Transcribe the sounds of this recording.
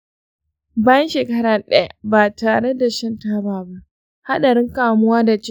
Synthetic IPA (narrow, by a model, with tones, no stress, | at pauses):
baː˦jɐ˦nʃeː˨kɐ˦ɽaː˨ɗɐ˦ja̰˦baː˨taː˨ɽe˦da˨ʃɪ˦ntaː˦baː˨ba˦ʔ | ha˦ɗa˨ɽɪ˦ŋkaː˨mʊ˦waː˦da˨t͡ʃ